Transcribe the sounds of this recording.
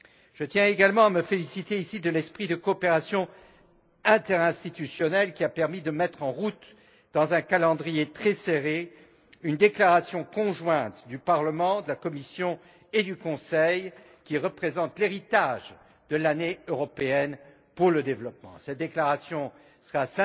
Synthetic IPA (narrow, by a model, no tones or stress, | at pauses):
ʒ̥ət̪jɛ̃eɡalmɑ̃aməfelisit̪eisid̪əlɛspχid̪əkɔːpeʁasjɔ̃ | ɛ̃t̪ɛʁɛ̃st̪it̪ysjɔnɛlkʲiapɛʁmid̪əmɛt̪χɑ̃ʁut̪ | d̪̥ɑ̃zɛ̃kalɑ̃d̪ʁijet̪χɛseʁe | ynd̪eklaʁasjɔ̃kɔ̃ʒwɛ̃t̪d̪ypaʁləmɑ̃d̪əlakɔmisjɔ̃ | ed̪ykɔ̃sɛj | kʲiʁəpχezɑ̃t̪leʁit̪aʒ | d̪əlaneøʁɔpeɛn | puʁləd̪evlɔp̚mɑ̰̃sɛt̪̚d̪eklaʁasjɔ̃ | səʁasɛ̃